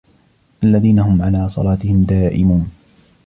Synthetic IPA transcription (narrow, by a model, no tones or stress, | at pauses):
ʔalːaðiːnaɦʊmʕalaːsˤɑ̰lɑːt̪ɪhɪmd̪aːʔɪmuːn